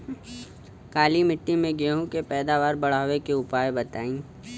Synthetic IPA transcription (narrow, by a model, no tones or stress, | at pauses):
kaːlimɪʈːimẽɡeːɦũkepɛːd̪aːʋaːɾbɐɽ̤aːʋekeʊpaːebɐt̪aːĩː